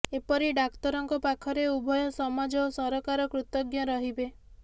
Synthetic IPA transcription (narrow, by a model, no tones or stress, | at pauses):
epɔɾiɖakt̪ɔɾɔŋkɔpakʰɔɾeubʱɔjɔsɔmad͡ʒɔsɔɾɔkaɾɔkɾut̪ɔɡjɔɾɔɦibe